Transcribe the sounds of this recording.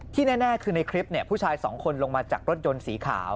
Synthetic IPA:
t̪ʰiː˥˩nɛː˥˩nɛː˥˩kʰɯː˧na˧jkʰɾi˦˥p̚ni˥˩ɐpʰuː˥˩t͡ɕʰaː˧jsɔ̰ː˩˦ŋkʰo˧nlo˧ŋmaː˧t͡ɕa̰ː˨˩k̚ɾo˦˥t̪̚jo˧nsiː˩˦kʰa̰ː˩˦w

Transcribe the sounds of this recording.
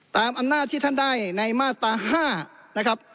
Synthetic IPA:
t̪aː˨˧mʔa˧mnaː˥˩t̪ʰːiː˥˩t̪ʰa˥˩ndaː˥˩jna˧jmaː˥˩t̪aː˧haː˥˩na˦˥kʰa˦˥p̚

